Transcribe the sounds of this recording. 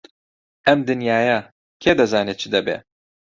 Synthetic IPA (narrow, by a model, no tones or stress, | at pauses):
ɛmd̪ɨnjaːja | kʰeːd̪ɐzaːnet͡ʃʰɨd̪ɛbḛ